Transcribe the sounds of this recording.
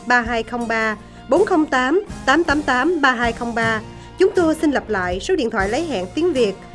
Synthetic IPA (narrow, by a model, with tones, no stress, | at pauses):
ɓaː˧ɦaː˧jxə˧wŋ͡mɓaː˧ | ɓo˨˦nxə˧wŋ͡mt̪aː˨˦mt̪aː˨˦mt̪aː˨˦mt̪aː˨˦mɓaː˧ɦaː˧jxə˧wŋ͡mɓaː˧ | t͡ɕʊ˨˦ŋ͡mt̪o˧jsï˧nlə˨˩p̚la̰ː˧˨jso˨˦ɗḭ˧ənt̪ʰwa̰ː˧˨lə˨˦jɦa̰ː˧˨nt̪i˨˦əŋvi˨˩ək̚